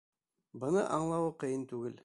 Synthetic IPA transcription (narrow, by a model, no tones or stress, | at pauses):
bɤ̆nɤʔɑɴlˠɑwɤqɤ̆jɤnt̪ʉɡɘl